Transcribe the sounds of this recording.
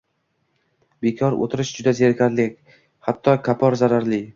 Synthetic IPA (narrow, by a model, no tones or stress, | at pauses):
bekʰɒɾo̰t̪ʰɪɾɪʃd͡ʒʊd̪azeɾkʲʰaɾlɪkʲ | hat̪ʰːɒkʰapʰɒɾzaɾaɾlɪ